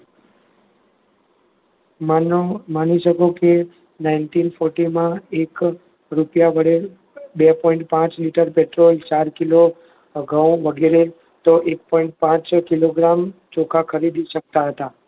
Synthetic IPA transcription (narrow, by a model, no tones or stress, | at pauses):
mnomaniʃəkoke | nainʈinfʰoɾʈimãek | ɾupjabəɽe | bepɔĩɳʈpãt͡ʃliʈəɾpeʈɾolt͡ʃaɾkilo | ɡʱə̃w̃ʋəɡeɾe | t̪oʔek̚pɔĩɳʈ̚pãt͡ʃkiloɡɾamt͡ʃokakʰəɾid̪iʃək̚t̪aɦət̪a